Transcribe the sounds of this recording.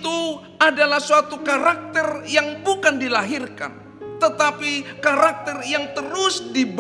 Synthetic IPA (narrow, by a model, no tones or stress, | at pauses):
t̪u | adalahsuat̪ukaɾak̚t̪ɛrjaŋbukandilaɦirka̰n | t̪ət̪apikaɾak̚t̪ɛrjaŋt̪əɾʊsdib